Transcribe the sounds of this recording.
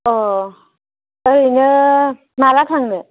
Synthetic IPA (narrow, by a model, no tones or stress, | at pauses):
ɔ | əɾinɯ | malatʰaŋnɯ